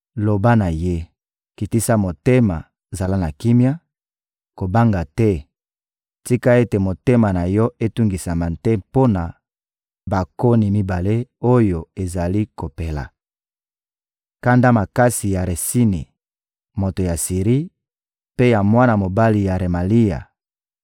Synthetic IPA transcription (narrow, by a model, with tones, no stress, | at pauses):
lo˨ba˦na˨je˦ | ki˨ti˦sa˦mo˨te˦ma̰˨ | za˨la˦na˨ki˦mja˦ | ko˨ba˦ŋɡa˨tɛ˦ | ti˦ka˦e˦te˨mo˨te˦ma˨na˨jɔ˦e˦tu˦ŋɡi˨sa˨ma˨ntɛ˦po˦na˨ | ba˨ko˦ni˨mi˦ba˨le˦o˦jo˨e˨za˨li˦ko˨pe˨la̰˨ | ka˦nda˦ma˨ka˦si˨ja˨ʁe˨si˦nḭ˨ | mo˨to˨ja˨si˨ʁi˦ | pe˦ja˨mwa˦na˨mo˨ba˦li˨ja˨ʁe˨ma˨li˦ja̰˨